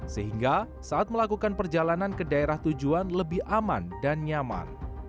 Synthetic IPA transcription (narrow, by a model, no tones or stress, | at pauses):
səɦiŋɡa | saːt̪̚məlakukanpərd͡ʒalanankədaeɾaht̪ud͡ʒuanləbɪhʔamandanɲama̰n